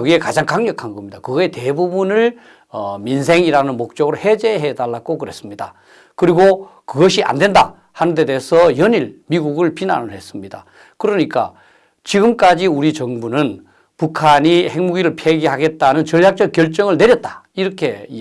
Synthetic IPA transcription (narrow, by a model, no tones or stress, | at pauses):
ɡie̞kad͡ʑaŋkaŋɲʌkʰanɡʌmɲid̥akɯɡʌete̞bubunɯɭ | ʌmins̬ʰe̞ŋiɾanɯnmok̚t͡ɕ͈ʌɡɯɾohe̞d͡ʑe̞ɦe̞daɭːak͈okɯɾe̞s͈ɯmɲida̰ | kɯɾiɡokɯɡʌɕʰiʔa̰ndwe̞nda | hanɯnde̞deɦsʰʌjʌɲiɭmiɡuɡɯɭpina̰nɯɭhe̞s͈ɯmɲida̰ | kɯɾʌɲik͈a̰ | t͡ɕiɡɯmk͈ad͡ʑiuɾit͡ɕʌŋbunɯn | pukʰaɲihe̞ŋmuɡiɾɯɭpʰeɡiɦaɡe̞t̚t͈anɯnt͡ɕʌɭjak̚t͡ɕ͈ʌk̚k͈jʌɭt͡ɕ͈ʌŋɯɭne̞ɾjʌt̚t͈ḁiɾʌkʰe̞